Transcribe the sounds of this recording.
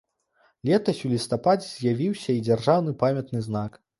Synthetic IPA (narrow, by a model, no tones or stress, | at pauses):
lʲɛt̪ɐsʲulʲist̪apad͡zʲɛzʲjavʲiwsʲɐid͡zʲarʐawnɨpamʲjɐt̪nɨznak